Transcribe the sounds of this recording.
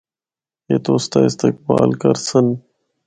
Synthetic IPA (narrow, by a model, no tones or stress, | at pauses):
jeːt̪oːst̪aːɪst̪ek̚ba̰ːlkɐɾsən